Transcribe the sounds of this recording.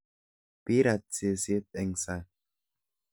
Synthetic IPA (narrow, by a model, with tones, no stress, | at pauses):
pi˦ɾa˨t̚t͡si˨se˦t̪̚ɛ˨ŋsa˨